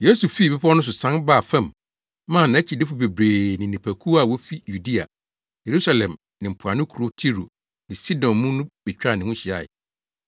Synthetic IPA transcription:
je˦su˨fi˦˨bi˦pʰɔ˦nʊ̃˦s̬ʊ˨sã˦nba˦˨fɛ̃˦˨m | mã˦˨nã˨˦t͡ɕʰi˨dɪ˦fʊ˨be˨bɾeː˨nɪ̃˨nĩ˨pʰæ˨kʰu˦a˨wo˦fi˦ju˨di˦a˨ | je˨ɾu˦sa˨lɛ̃˨m | nɪ̃˨m̩˨pʰʊ˨a˨nʊ̃˦kʰu˨ɾo˦tʰi˦ɾo˨ | nɪ̃˨si˦dɔ̃˨nmũ˦nʊ̃˦b̥ɛ˨t͡ɕᶣa˦˨nɪ̃˨hũ˦ɕi˨a̰˨ɪ̰˨

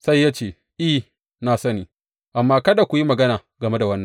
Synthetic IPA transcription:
sa˦jːaː˦t͡ʃeː˨ | ʔi˦ | naː˨sɐ˦niː˦ | ʔa˨mːaː˦kɐ˦da˨kʷu˨ji˦mɐ˨ɡɐ˦naː˨ | ɡɐ˨me˦da˨wɐ˦nːɐ˨ŋ

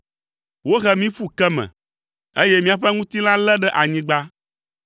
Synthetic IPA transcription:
wo˦ɣɛ˦mĩ˦ɸu˦kɛ˦mɛ̰̃˨ | e˦jɛ˦mĩ˦a˨ɸɛ˦ŋũ˦t̪i˦l̃ã˦lɛ˦ɖɛ˦ʔa˨ɲĩ˦ɡ͡ba˦

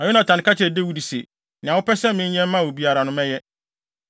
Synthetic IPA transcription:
a˨ju˦nã˨tʰã˨n˨ka˦t͡ɕʰɛ˨de˦wu˦˨di˨se˨ | nɪ̃˨ã˨wʊ˦pɛ˦sɛ̃˦mɪ̃˦n̩˦ɲɛ̃˦m˦mã˦˨wo˨bi˨a˨ɾa˨nʊ̃˦mɛ˦jɛ˦

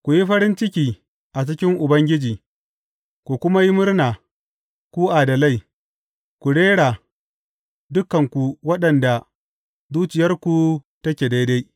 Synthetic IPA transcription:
kʷu˨ji˦ɸɐ˦ɾɪ˦nt͡ʃɪ˦kʲiː˨ | ʔa˨t͡ʃɪ˦kʲɪ˦ŋʔʊ˨bɐ˦ŋɡʲɪ˦d͡ʒiː˨ | kʷu˨kʷʊ˦ma˦ji˦mʊ˦rnaː˨ | kʷuː˦ʔa˨dɐ˨la˦j | kʷu˨ɽeː˦ɽa˨ | dʊ˦kːɐ˨ŋkʷu˨wɐ˦ɗɐ˨nda˨ | zuː˦t͡ʃɪ˨jɐ˦rkʷu˨tɐ˦kʲeː˨da˦jda˦j

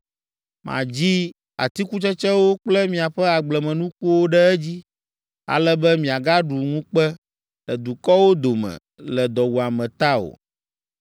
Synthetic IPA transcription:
mʔã̰˨d͡ʑi˦ | a̰˨t̪i˦ku˦t͡ʃɛ˦t͡ʃɛ˦wo˦k͡plɛ˦mĩ˨a˨ɸɛ˦a˨ɡ͡blɛ˨mɛ̃˨nũ˦ku˦wo˦ɖɛ˦ɛ˦d͡ʑi˦ | a̰˨lɛ˦bɛ˦mĩ˨a˨ɡa˦ɖu˨ŋũ˦k͡pɛ˦ | ɖɛ˨d̪u˨kɔ˦wo˦d̪o˨mɛ̰̃˨ | lɛ˨d̪ɔ˨wu˨a˨mɛ̃˨t̪a˦o̰˨

